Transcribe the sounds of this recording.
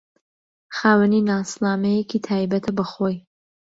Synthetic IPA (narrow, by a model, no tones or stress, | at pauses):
χaːwəninaːslaːmɛjekit̪ʰaːjbɐt̪ʰɐbɐχoj